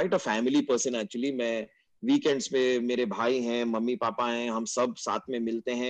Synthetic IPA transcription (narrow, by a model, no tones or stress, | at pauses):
aɪʈəfɛːmɪlipəɾsə̃næːk̚t͡ʃuəlimɛ̃ | ʋiːkɛ̃ɳɖzmẽmeːɾebʱaːiɦɛ̃mɐmːipaːpaɦɛ̃ɦɐmsɐb̚sa̰ːt̪ʰmẽmɪlt̪eɦɛ̃